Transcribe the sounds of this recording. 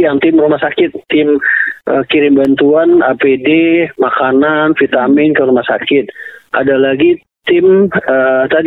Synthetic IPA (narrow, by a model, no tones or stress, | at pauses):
jaŋt̪ɪmrumahsakɪt̪ːɪmʔəkiɾɪmbant̪uana̰pedemakananfit̪amɪnkəɾumahsakɪt̪̚ʔa̰dalaɡi | t̪ɪmət̪ad